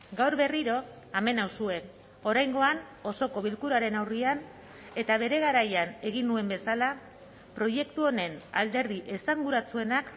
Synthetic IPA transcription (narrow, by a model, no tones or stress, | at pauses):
ɡawɾβe̞riɾo̞ | ame̞nawsue̞n | o̞ɾajŋɡo̞an | o̞so̞ko̞β̞ilkuɾaɾe̞nawrian | e̞t̪aβ̞e̞ɾe̞ɣ̞aɾajane̞ɣ̞inːue̞mbe̞sala | pɾo̞je̞kt̪uo̞ne̞nald̪e̞ɾðiʔe̞saŋɡuɾat͡sue̞nak